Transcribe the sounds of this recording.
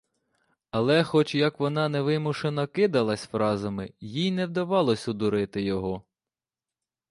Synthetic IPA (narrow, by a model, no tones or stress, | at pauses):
ɐlˠɛxɔt͡ʃjɐkʋɔnɑnɛʋɪmuʃenɐkɪd̪ɐlˠɐsʲfɾɑzɐmɪjijnɛwd̪ɐʋɑlˠɔsʲʊd̪ʊɾɪt̪ɪjɔɦɔ